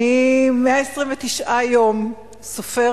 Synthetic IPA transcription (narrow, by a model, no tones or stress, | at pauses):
imeaesʁiɱvet̪iʃʔajo̞m | sofe